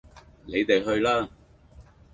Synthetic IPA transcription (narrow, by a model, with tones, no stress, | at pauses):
ne˨˧jt̪e˨jɦɵ˧ɥlaː˥